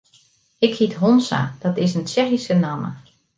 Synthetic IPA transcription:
ɪkhitɦonsa̰d̥ɔtɪsənt͡ʃɛxisənamə̰

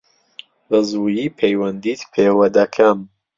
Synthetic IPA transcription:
bɐzuːjiːpʰejwɐnd̪iːt̪pʰeːwɐd̪ɐkʰɐm

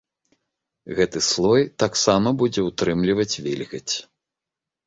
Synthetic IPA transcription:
ɣɛt̪ɨslˠɔjt̪aksamɐbud͡zʲɛwt̪ɾɨmlʲivɐt͡sʲvʲilʲɣɐt͡sʲ

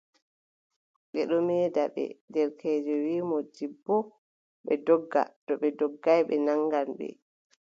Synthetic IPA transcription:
ɓɛɗɔmɛːdaɓɛ̰dɛɾkʰɛːd͡ʒɔwiːmɔdibːɔ | ɓɛdɔɡːa̰tɔɓɛdɔɡːajɓɛnaŋɡanɓɛ̰

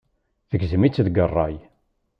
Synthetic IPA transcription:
θəɡzəmit͡sːðɡərˤːɑj

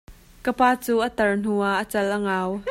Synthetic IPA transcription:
kəpaːt͡suːʔət̪ɐrn̥uaʔːət͡sɐlʔəŋaw

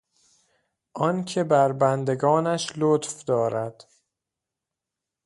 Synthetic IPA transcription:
ʔɒncʰe̞bæɾbænd̪e̞ɡɒːnæʃlot̪fd̪ɒːɾæd̪̥

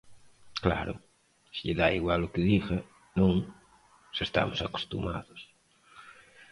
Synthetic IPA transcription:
kla̰ɾʊ̰ | siʎeðaiɣwalʊkɪðixa | nũŋ | sest̪a̰mosako̥st̪uma̰ðʊs

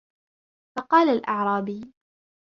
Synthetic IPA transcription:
fɑqɑːlalʔɑʕɾˤɑːbiː

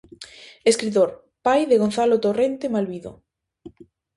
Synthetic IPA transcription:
eskɾit̪̬oɾ | pajðeɣon̟θalot̪orent̪emaliðo̰

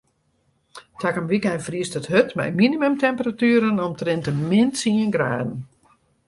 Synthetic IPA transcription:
tʰakəmʋikɛnfriəstəthøtmɛ̰jminimømtʰɛmpəratyːɾənɔmtrɪntəmɪnsiənɡra̰ːdn̩

